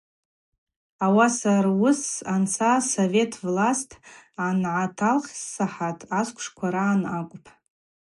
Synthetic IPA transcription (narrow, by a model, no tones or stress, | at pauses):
awasarwʊsant͡sʰasove̞tʰvlastʰanʕatʰalχʲsːaħatʼaskʷʰʂkʷʰaɾaːnakʷʼʊpʰ